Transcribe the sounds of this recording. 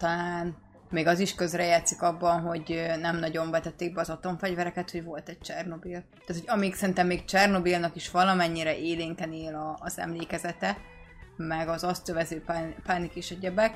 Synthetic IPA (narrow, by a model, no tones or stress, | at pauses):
t̪ɒlaːn | meːɡɒziʃkø̞zrɛjaːt̪sikɒbːɒnɦo̞ɟønɛmnɒɟo̞ɱvɛt̪ɛt̪ːeːɡ̚bɛɒzɒt̪o̞ɱfɛɟvɛɾɛkɛt̪ho̞ɟvo̞lt̪ɛc̚t͡ʃɛrno̞bilaːt̪hoɟɒmiksɛɾint̪ɛmːeːkt͡ʃɛrno̞bilnɒkiʃʋɒlɒmɛɲːiɾɛʔeːleŋkɛneːlɒːzɛ̰mleːkɛzɛt̪ɛ | mɛɡɒzɒst̪øvɛzøːpːpaːnikeːʃɛɟɛbɛk